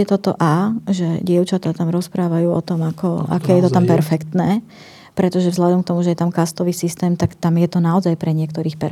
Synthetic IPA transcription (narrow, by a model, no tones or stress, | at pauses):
ɛt̪ɔt̪ɔ̰ʔaːʒɛɟɪɛʊt͡ʃat̪aːt̪amɾɔspɾaːʋajuːɔ̰t̪ɔmakɔa̰kɛːjɛt̪ɔt̪ampɛɾfɛkt̪nɛː | pɾɛt̪ɔʒɛvzlad̪ɔmk̚t̪ɔmuʒɛjɛt̪amkast̪ɔʋiːsist̪ɛːmt̪akt̪amjɛt̪ɔnaɔzajpɾɛɲɪɛkt̪ɔɾiːxpɛɾ